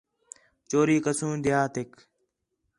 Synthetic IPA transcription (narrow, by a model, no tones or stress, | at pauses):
t͡ʃoːɾiːkəsũːd̪ɪjaːt̪ɪk